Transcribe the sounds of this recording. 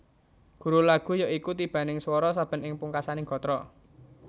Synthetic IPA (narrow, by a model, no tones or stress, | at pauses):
ɡ̥ṳɾulaɡ̥ṳjɔikut̪ib̥ä̤nɪŋswɔɾɔsab̥ə̤nɪŋpuŋkasanɪŋɡ̥ɔ̤t̪ɾɔ